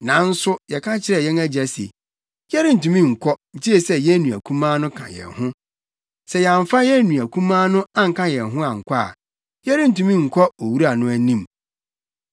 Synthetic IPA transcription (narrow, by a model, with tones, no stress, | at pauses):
nã˨˦n̩˦sʊ˦jɛ˨kʰã˦t͡ɕʰɪ˦ɾɛ˨jɛ˦næ˦d͡ʑɛ˨sḛ˨ | jɛ˦ɾɪ˦n̩˨tũ˨mĩ˦˨ŋ̩˨kʰɔ˦ɲ̩˨t͡ɕʰi˦e˨sɛ˨jɛ˦nũ˨æ˨kʰũ˦mã˦nʊ̃˦kʰã̰˨jɛ̰˨hʊ̃˦ | sɛ˨jɛ˨a˨ɱ˨fa˦jɛ˦nũ˨æ˨kʰũ˦mãː˦nʊ̃˦a˦ŋ̩˨kʰã˦jɛ˨ɦʊ̃˦a˨ŋ̩˨kʷʰa̰˦˨ | jɛ˦ɾɪ˦n̩˨tũ˨mĩ˦ŋ̩˨kʰɔ˦o˨wu˦ɾa˨nʊ̃˦æ˦nĩ˦m